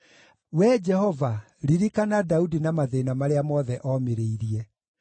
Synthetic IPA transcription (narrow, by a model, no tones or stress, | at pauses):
wɛd͡ʒɛhɔva | ɾiɾikanadaudinamaðenamaɾeamɔðɛʔɔmeɾeiɾiɛ